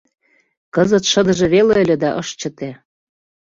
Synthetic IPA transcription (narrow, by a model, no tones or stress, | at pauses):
kɤzə̆t̪ʃɤ̆d̪ɤ̆ʒĕβeleə̆lʲĕd̪ɑʔɤʃt͡ɕə̆t̪e